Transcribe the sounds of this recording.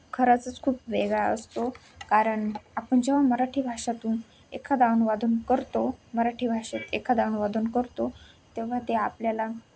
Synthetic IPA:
kʰəɾat͡sət͡skʰuːpʋeɡɭaə̰st̪o | kaɾəɳapəɳd͡ʑeʋ̤aməɾaʈʰiːbʱaʂat̪uːn | ḛkʰad̪aʋnʋad̪ʱuːnkəɾt̪oməɾaʈʰiːbʱaʂet̪ekʰad̪aʋnʋad̪ʱuːnkəɾt̪o | t̪eʋ̤at̪eapljala

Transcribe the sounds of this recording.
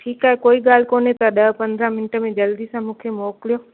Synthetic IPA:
ʈʰiːkaːɦekoːiɠaːl̤koːnet̪ɐɗɐɦpɐ̃nd̪ɾãmɪnʈə̆mẽd͡ʑɐld̪isãmũːkʰemoːkɪlijoː

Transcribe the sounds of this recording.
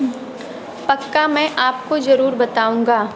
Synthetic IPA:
pɐkːamɛ̃ʔaːpkozɐɾuːɾbɐt̪aːũːŋɡaː

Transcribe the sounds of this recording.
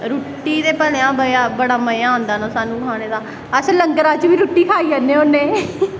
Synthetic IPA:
ɾuːʈːiːd̪eːpəlːãːbəaːbəɽaːməãːõnd̪aːnaːsaːnũːkʰaːñeːd̪aː | əsləŋɡəɾaːt͡ʃʋiːɾuːʈːiːkʰaːiːənːẽːonːẽː

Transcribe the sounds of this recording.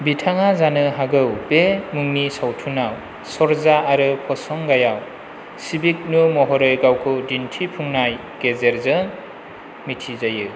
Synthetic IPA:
bitʰaŋazanɯɦaɡɯwbemuŋnisawtʰunaw | sɔɾzaːɾɯpʰɔsɔŋɡajaw | sibik̚numɔɦɔɾɯjɡawkʰɯdintʰipʰuŋnaj | ɡ̥ezeɾzɯ | mitʰizajɯ

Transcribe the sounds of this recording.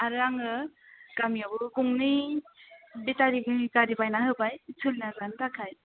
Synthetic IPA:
aɾɯaŋɯkamijabɯkuŋni | bitaɾiɡɯkaɾibajnahɯbajsʰɯlnazantakʰaj

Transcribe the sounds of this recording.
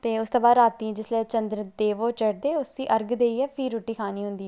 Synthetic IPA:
t̪eːʊst̪õːbaːd̪ɾaːt̪ĩd͡ʒɪslɛːt͡ʃə̃nd̪ɾəd̪eːʋoːt͡ʃəɽd̪eːʊsiːʔəɾɡd̪eːiːɛːpʰiːɾoːʈːiːkʰaːniːɦʊ̃nd̪iː

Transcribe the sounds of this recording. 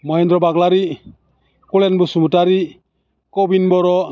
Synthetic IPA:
mɔjɛ̃nd̪ɾɔbaɡlaɾi | kulɛnbusumutaɾi | kobinbɔɾɔ

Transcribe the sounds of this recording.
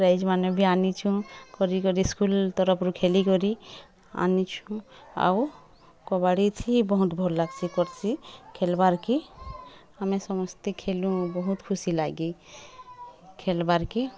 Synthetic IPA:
ɾajd͡ʒmanebʱianit͡ʃʰũkɔɾikɔɾiskult̪ɔɾɔpʰɾukʰelikɔɾi | a̰nit͡ʃʰũa̰w | kɔbaɽit̪ʰibɔɦut̪bʱɔllaɡsikɔɾt͡ʃʰikʰelbaɾki | amẽsɔmɔst̪ikʰelũbɔɦut̪kʰusilaɡi | kʰelbaɾki

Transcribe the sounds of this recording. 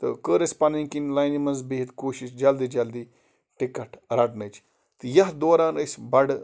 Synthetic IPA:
t̪ɨkəːɾɐsʲpɐniːkinlɐːjnimɐnzbiɦit̪koːʃisd͡ʒɐld̪iːd͡ʒɐld̪iː | ʈikːɐʈʰɾɐʈnɐt͡ʃʰ | t̪ɨjɐɦd̪oːɾaːnəsʲbɐɽ

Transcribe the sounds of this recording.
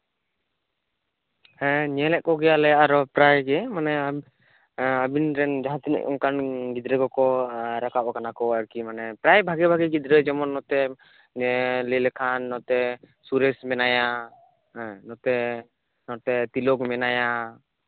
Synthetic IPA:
hɛ̃ɲɛlɛʔ̚kɔɡɛjalɛaɾɔpɾajɡɛmanɛ | abinɾɛnd͡ʒaɦãt̪inḭʔɔ̰ŋkanɡid̪ɾɛkɔkɔɾakapɔkanakɔɾkimanɛpɾajbʱaɡɛbʱaɡɛɡid̪ɾəd͡ʒɔmɔnːɔt̪ɛ | lilɛkʰanːɔt̪ɛ | suɾɛsmɛnaja | ɛ̃nɔt̪ɛ | nɔt̪ɛt̪ilɔkmɛnaja

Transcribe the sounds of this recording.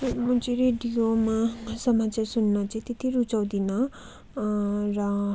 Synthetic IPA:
mut͡siɾeɖijomasʌmat͡sjasunːʌt͡saĩt̪et̪iɾut͡saw̃d̪inʌ | rʌ

